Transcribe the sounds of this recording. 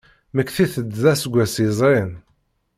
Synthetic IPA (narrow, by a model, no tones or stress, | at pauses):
məkːθiθəd̪ðæsəɡʷːæsizˤɾin